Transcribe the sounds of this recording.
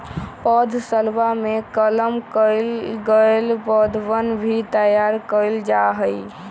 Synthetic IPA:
pɔd̪ʱsəlʋamekələmkəlɡəelpɔd̪ʱʋənbʱit̪əjaɾkəɪld͡ʒaɦəj

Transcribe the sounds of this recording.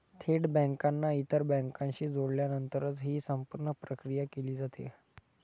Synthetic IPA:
t̪ʰeɽbə̃ŋkanːait̪əɾbɛ̃ŋkãɲɕiːd͡zoɽljanənt̪əɾət͡sɦiːsəmpuɾɳəpɾəkɾijakeliːd͡zat̪ḛ

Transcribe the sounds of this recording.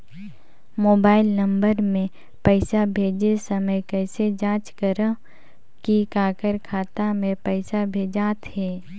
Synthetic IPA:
moːbaːɪlnɐ̃mbəɾmẽ | pɛɪsabʱeːd͡ʒesəməjkɛːsed͡ʒãːt͡ʃkəɾə | kikaːkəɾkʰaːt̪amẽpɛɪsabʱeːd͡ʒaːt̪ɦɛː

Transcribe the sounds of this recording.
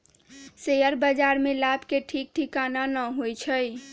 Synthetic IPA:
sejəɾbəd͡ʒaɾmelabʱkeʈʰik̚ʈʰikananəɦojt͡ʃʰəj

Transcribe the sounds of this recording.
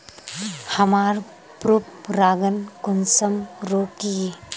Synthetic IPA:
hɐmaɾ | pɾup̚ɾaɡənkʊnsəmɾokije

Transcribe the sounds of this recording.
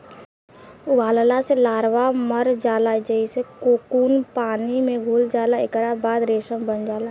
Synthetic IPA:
ʊbaːllaselaːɾʋaməɾd͡ʒaːlad͡ʒəisekoːkuːnpaːnimẽɡʱuːld͡ʒaːlaekɾabaːd̪ɾeːsəmbənd͡ʒaːla

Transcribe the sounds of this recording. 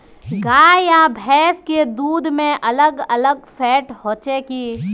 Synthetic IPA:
ɡaːjabʱɛːsked̪uːd̪ʱmẽʔɐləɡɐləɡ̚fɛːʈhoːt͡ʃekiː

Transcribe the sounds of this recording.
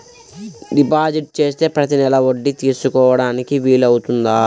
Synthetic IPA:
ɖipaːd͡ʒiʈ̚t͡ʃe̞ːst̪e̞ːpɾɐt̪inɛlɐʋo̞ɖːit̪iːsukɔːʋɐɽaːnikiʋiːlɐwut̪und̪aː

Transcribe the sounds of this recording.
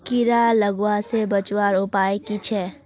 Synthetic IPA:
kiɾaləɡwasebət͡ʃwaːɾʊpaːekit͡ʃʰɛː

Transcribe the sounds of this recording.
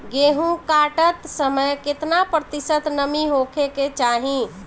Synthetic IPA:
ɡeɦũkaʈət̪səməjkɪt̪napɾət̪isət̪nəmiɦokʰeket͡ʃaɦĩ

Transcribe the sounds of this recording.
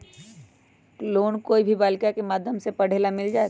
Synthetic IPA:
loːnkoːibʱibaːlkakemaːd̪ʱjəmsepɐɽ̤eːlamɪld͡ʒaːe

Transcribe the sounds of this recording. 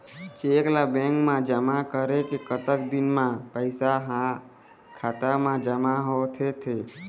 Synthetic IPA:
t͡ʃeklabẽŋkmãd͡ʒəmakəɾekekət̪ək̚d̪inmãpəɪsaɦã | kʰat̪əmãd͡ʒəmaɦot̪ʰet̪ʰe

